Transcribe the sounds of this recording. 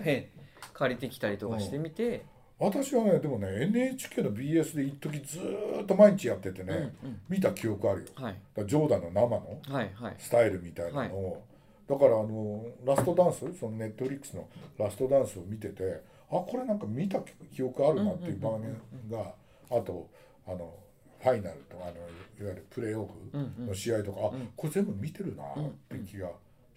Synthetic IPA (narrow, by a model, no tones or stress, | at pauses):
kʰaɾʲit̪e̞kʲi̥t̪aɾʲit̪okaɕit̪e̞mʲit̪e̞ | βat̪aɕiβane̞d̪e̞mo̞ne̞enɯ̟e̞t͡ɕi̥kʲe̞ːno̞bʲiːe̞sɨd̪e̞it̪t̪ːo̞k̬ʲid͡zɨt̪ːo̞maiɲ̟it͡ɕijat̪ːe̞t̪e̞ne̞mʲit̪akʲijo̞kɯ̟aɾɯ̟jo̞ad̪̥ad͡ʑo̞ːd̪aino̞namano̞ahasɨ̥t̪aiɾɯ̟mʲit̪ainano̞ | d̪̥akaɾaːno̞ɾasɨ̥t̪o̞d̪ãɰ̃sɨso̞no̞ne̞t̪ːo̞ɸ̟ɾʲikːɯ̥sɨno̞̰ɾasɨ̥t̪o̞d̪ãɰ̃sɨo̞mʲit̪e̞t̪e̞ | ako̞ɾe̞nãŋkamʲit̪akʲio̞kɯ̟aɾɯ̟nat̪ːe̞iɯ̟bãɡmẽɡaː | t̪o̞ | ano̞ | ɸainaɾɯ̟t̪o̞kaːno̞iβaiɾɯ̟pɯ̟ɾe̞ːoɸɯ̟no̞ɕiait̪o̞kaːko̞ɾe̞ze̞mbɯ̟mʲit̪e̞ɾɯ̟na̰t̪ːekʲiɡa